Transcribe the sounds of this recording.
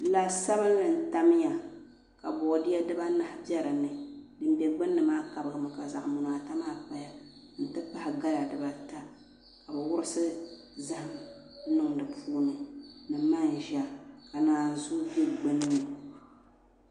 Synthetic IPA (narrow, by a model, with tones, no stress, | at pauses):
la˨sa˦βɨ˦n˦lɨ˨n̩˨ta˦m˦ja˨ | ka˨bɔ˨dɪ˦jɛ˦dɨ˦ba˦na˦hbjɛ˦ɾɨ˨nɨ˨dɨ˨n˦bɛ˨ɡ͡bɨ˦nːɨ˨maː˦ka˨bɨ˦˨ɡɨ˨mɨ˨ka˨za˨ʔmu˨naː˨ta˦maː˦k͡pa˨ja˨ | n̩˨tɨ˦pa˦hɪ˨ɡa˦la˨dɨ˨ba˨ta˦ | ka˨bɛ˨wʊ˦ɾɨ˦sɨ˦ | za˦hɪ˨m˦ | nɨ˦ŋdɨ˨pʰuː˦nɨ˨nɨ˨ma˦n˨ʒa˦ka˨naː˨n˨zu˦bi˦ɡ͡bɨ˦nːɨ˦mɨ˨